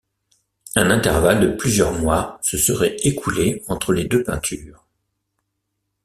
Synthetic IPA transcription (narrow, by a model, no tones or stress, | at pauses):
ɛ̃nɛ̃t̪ɛʁvald̪əplyzjœʁmwasəsəʁɛekʰuleɑ̃t̪χəled̪øpɛ̃t̪ʰyːʁ